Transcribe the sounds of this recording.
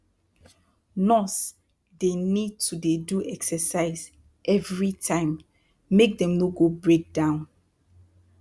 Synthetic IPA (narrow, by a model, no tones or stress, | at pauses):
nɔs | denid̚tʰudeduʔɛksɛsaɪz | ʔɛvɹitʰãɪ̃m | mek̚dɛ̃mnoɡobɹek̚dãʊ̃n